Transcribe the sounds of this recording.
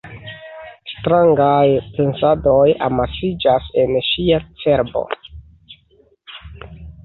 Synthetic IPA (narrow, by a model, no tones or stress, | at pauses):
stɾaŋɡajpe̞nsadoja̰masid͡ʒase̞nʃiat͡se̞ɾbo̰